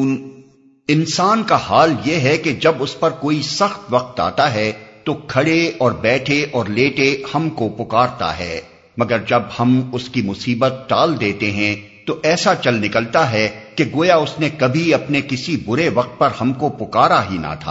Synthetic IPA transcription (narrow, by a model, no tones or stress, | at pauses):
ɪnsaːnkahaːljeɦɛked͡ʒɐbʊspɐɾkoːisɐxt̪ʋɐq̚t̪a̰ːt̪aɦɛt̪okʰɐɽeɔːɾbɛːʈʰeʔɔːɾleːʈehɐmkopʊkaːɾt̪a̰ɦɛ̰ː | mɐɡəɾd͡ʒɐbhɐmʊskimʊsiːbət̪̚ɖaːld̪eːt̪eɦɛ̃ | t̪oʔɛːsat͡ʃɐlnɪkəlt̪aɦɛkeɡoːjaʊsnekɐbʱiɐpnekɪsibʊɾeʋɐq̚t̪̚pɐɾhɐmkopʊkaːɾaɦina̰t̪ʰa̰ː